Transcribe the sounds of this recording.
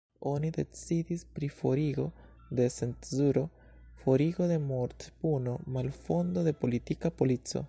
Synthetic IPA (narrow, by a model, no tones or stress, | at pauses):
o̞nide̞t͡sidispɾifo̞ɾiɡo̞ | d̪e̞se̞nzuɾo̞ | fo̞ɾiɡo̞de̞moɾt̪buno̞malfo̞nd̪o̞de̞po̞litikapo̞lit͡so̞̰